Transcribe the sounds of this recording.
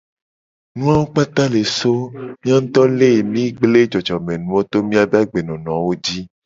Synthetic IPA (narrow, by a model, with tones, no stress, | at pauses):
nũ˦a˦wo˦k͡pa˦t̪a˦le˨so˦mĩ˦a˦ñ̩˦t̪ɔ˦le˦˨mĩ˦ɡ͡ble˦d͡ʒɔ˨d͡ʒɔ˨mẽ˨nũ˦o˦t̪o˦mĩ˦a˨be˦a˦ɡ͡be˨nɔ̃˨nɔ̃˨wo˦d͡ʒi˦